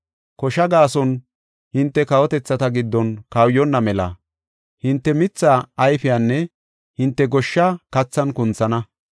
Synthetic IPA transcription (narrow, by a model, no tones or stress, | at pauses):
kɔʃɐɡaːsɔn | hɪnt̪ːɛkɐwɔt̪ɛt͡sːɐt̪ɐɡɪd̪ːɔnkɐwjɔnːɐmɛlɐ̰ | hɪnt̪ːɛmɪt͡sːaːɐjfɪjanːɛ | hɪnt̪ːɛɡɔʃːakɐt͡sːɐnkʊnt͡sɐnɐ